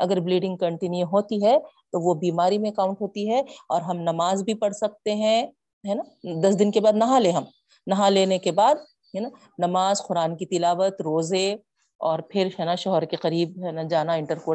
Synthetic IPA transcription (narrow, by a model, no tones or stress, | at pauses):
ɐɡəɾbliːɖɪ̃ŋɡ̚kɐ̃ɳʈɪnjuɦoːt̪iɦɛ | t̪oʋobiːmaːɾimẽɐkaːʊ̃ɳʈɦoːt̪iɦɛɔːɾɦɐmnɐmaːzbʱipɐɽsɐk̚t̪eɦɛ̃ | ɦɛːnad̪ɐsd̪ɪnkebaːd̪nɐɦãleːɦɐm | nɐɦãleːnekebaːd̪̚ | ɦɛːna | nɐmaːzxʊɾaːnkit̪ɪlaːʋət̪ɾoːze | ɔːɾpʰɪɾɦɛːnaʃɔɦəɾkeqɐɾiːb̚ɦɛːnad͡ʒaːnaɪ̃ɳʈəɾkoː